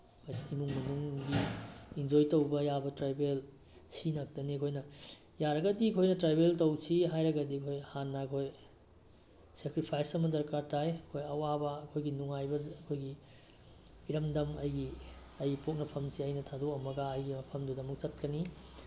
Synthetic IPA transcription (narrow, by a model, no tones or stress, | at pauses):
mɐjsiimuŋmɐnuŋɡiind͡ʒojtɐwbɐjabɐtɾajbel | sinɐk̚tɐnikʰojnɐ | jaɾɐɡɐdikʰojnɐtɾajbeltɐwsʰiɦajɾɐɡɐdikʰojhanːakʰoj | sekɾipʰajsɐmɐdɐɾkaɾtʰajɐkʰojɐwabɐɐkʰojɡinuŋajbɐɐkʰojɡi | ɾɐmdɐmɐjɡi | ɐjɡipok̚nɐpʰɐmsʰiɐjnɐtʰadoɐmɐɡaɐjɡimɐpʰɐmdudɐmɐk̚t͡ʃɐt̚kɐni